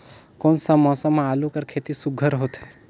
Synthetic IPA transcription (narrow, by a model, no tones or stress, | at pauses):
konsə̃mɔ̃sə̃mãalukəɾkʰet̪isuɡʱəɾɦot̪e